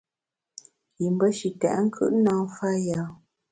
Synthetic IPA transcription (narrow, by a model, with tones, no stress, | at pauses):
ji˨m˦bə˦ʃi˨tɛ̰˨ʔŋ̩˦kʰɯ̰˦˨ʔnãː˦fa˦ja˨˦